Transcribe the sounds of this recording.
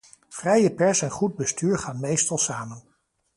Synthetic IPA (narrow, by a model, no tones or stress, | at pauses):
v̥rɛjəpɛɹsɛnχud̚bəstyːɹχaːnmejstɑlˠsaːmən